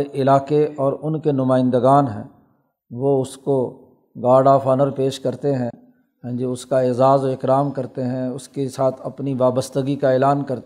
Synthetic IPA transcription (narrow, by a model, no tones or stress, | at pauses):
eʔɪlaːkeɔːɾʊnkenʊmaːɪ̃nd̪əɡaːnɦɛ̰̃ː | ʋoʊsko | ɡaːɖaːfʰaːnəɾpeːʃkɐɾt̪eɦɛ̃ | ɦɛ̃d͡ʒiʊskaeːzaːzoɪkɾaːmkɐɾt̪eɦɛ̃ʊskesaːt̪ʰɐpniʋaːbəst̪əɡikaɛːlaːnkɐɾt̪